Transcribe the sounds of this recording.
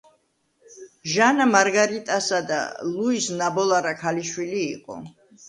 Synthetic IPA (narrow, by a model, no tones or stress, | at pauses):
ʒanamaɾɡaɾit̪ʼasad̪a̰lˠuisnabɔlˠaɾakʰaliʃwiliːqʼɔ̰